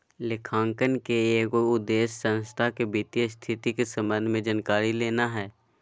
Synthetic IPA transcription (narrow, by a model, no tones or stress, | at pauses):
lɪkʰãːŋkənkeeːkoʊd̪ːeːʃsə̃nst̪ʰakebit̪ijəst̪ʰɪt̪ikesə̃mbə̃nd̪ʱmẽd͡ʒənkaːɾileːnaɦɛː